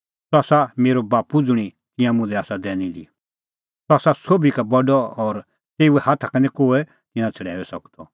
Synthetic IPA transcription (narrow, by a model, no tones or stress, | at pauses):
sɔaːsameːɾobaːpud͡zʊɽ̃i | t̪ɪ̃jãmʊ̃d͡zɛaːsad̪ɛːnĩd̪ḭ | sɔaːsasoːbikabɐɖɔɔːɾ | t̪eːuɛhaːt̪ʰakɐnɛ̃koːɛ | t̪ɪ̃nãt͡sʰɐɽɛ̰ːɛsɐkd̪ɔ